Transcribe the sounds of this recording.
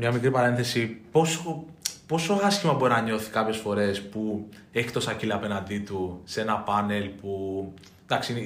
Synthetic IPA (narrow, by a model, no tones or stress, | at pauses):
mɲɐmikɾipɐɾe̞nθe̞sipo̞sopo̞so̞ɐsçimɐbo̞ɾinɐɲo̞θi̥kɐpçe̞sfo̞ɾe̞spu | e̞çi̥t̪o̞sɐcilɐɐpe̞nɐnd̪it̪use̞nɐpɐne̞lpu | d̪ɐksin